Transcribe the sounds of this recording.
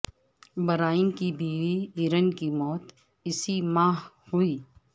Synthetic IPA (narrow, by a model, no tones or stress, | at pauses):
bɐɾaːɪnkibiːʋiiːɾənkimɔːt̪ | ɪsimaːɦ | huiː